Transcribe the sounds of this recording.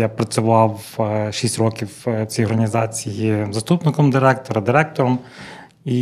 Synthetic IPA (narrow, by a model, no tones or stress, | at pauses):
japɾɐt͡sʲʊʋɑwʃisʲtʲrɔkʲiwt͡sʲijɔɾɐnʲizɑt͡sʲijizɐst̪upnɪkɔmd̪ɪɾɛk̚t̪ɔɾɐd̪ɪɾɛk̚t̪ɔɾɔm | i